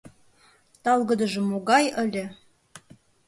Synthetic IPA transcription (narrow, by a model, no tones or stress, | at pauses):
t̪ɑlˠɣɤ̆d̪ə̆ʒə̆moɣɑjə̆lʲĕ